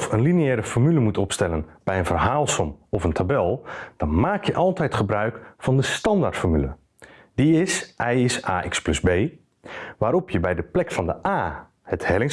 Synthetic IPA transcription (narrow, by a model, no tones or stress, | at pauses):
fənliniɛːɾəfɔrmyləmutɔpstɛlənb̥ɛjənvərɦaːlˠsɔmɔfəntʰabɛlˠd̥ɑnmaːkʰjəʔɑlˠtɛjtχəbrœɥkfɑndəstɑndartfɔrmylə̰ | d̥iɪsʔɛjɪsaːʔɪksplɵsbeː | ʋaːɾɔpjəbɛjdəplɛkfɑndəʔaː | əthɛlɪŋ